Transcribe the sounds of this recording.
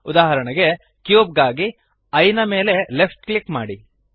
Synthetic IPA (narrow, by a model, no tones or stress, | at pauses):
ud̪aːɦɐɾɐɳɐɡe̞ | kjuːb̚ɡaːɡi | ɐjnɐme̞ːle̞lepʰʈklikma̰ːɽi